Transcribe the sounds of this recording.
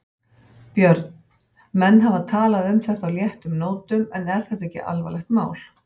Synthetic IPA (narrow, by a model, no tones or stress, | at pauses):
pjœɾt̪n̥ | mɛnːɦavaðt̪ʰaːlaðʏmθɛt̪awljɛht̪ʏmnoːwt̪ʏmɛnɛɾ̥θɛht̪aɛcːɪ̰ʔa̰lva̰lɛxt̪ma̰ːwl